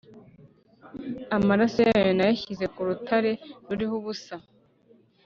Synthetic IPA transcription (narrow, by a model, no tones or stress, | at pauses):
amaɾasojajonajaçize̞kuɾutʰaɾe̞ɾuɾihoβusa